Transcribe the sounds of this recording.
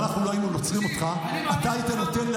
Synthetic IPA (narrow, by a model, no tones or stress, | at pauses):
naχnuloainunot͡sʁimo̞t̪χa | atait̪ano̞t̪e̞nl